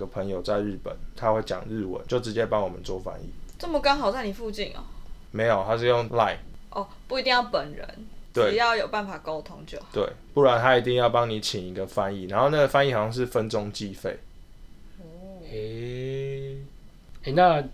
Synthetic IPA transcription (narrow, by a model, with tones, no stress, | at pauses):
ɡə˨˩pʰə˧˦ŋjo˨˩ʊt͡sa˥˧ɪɻ̩˥˩pə̰˨˩˦nt̪ʰa˦xwe˥˩ɪt͡ɕjɑ̰˨˩ŋɻ̩˥˩wə̰˨˦nt͡ɕjo˥˩ʊʈ͡ʂɻ̩˧˦t͡ɕjɛ˦˥pɑ˦˥ŋwɔ˨mə˨nt͡swɔ˥˨fa̰˦˥nḭ˥˨ʈ͡ʂə˥˩mə˨kɑ˥ŋɦɑ˨˩ʊt͡sa˥˩ɪni˨˩fu˥˧t͡ɕi˥˩nɐ̰˩ | me˧˦ɪjo˨˩t̪ʰa˦˥ʂɻ̩˥˧jo˥˩ŋla˥˩ɪʔɔ˥˩pu˥˨i˧t̪i˥˧ŋjɑ˥˩ʊpə˨˩nɻə̰˧˦nt̪we˥˩ɪjɑ˥˩ʊjo˨˩ʊpa˥˩nfa˨˩ko˦˥ʊt̪ʰo˦˥ŋt͡ɕjo̰˨˩ʊt̪we˥˩ɪpu˥˩wa˨˦nt̪ʰa˦i˨˥t̪̬i˥˧ŋjɑ˥˩ʊpɑ˥ŋni˨˦t͡ɕʰi˨˩ŋi˧˦˥ɡə˨fa˦ni˥˨na˧˦nxo˥˧ʊna˥˩ɡə˩fa˦ni˥˩xjɑ˥˧ʂɻ̩˥˨fə˦nt͡sʊ˦ŋt͡ɕi˥˧fe˥˨ɪ˩ | e˥˩ | e˥˩na˥˨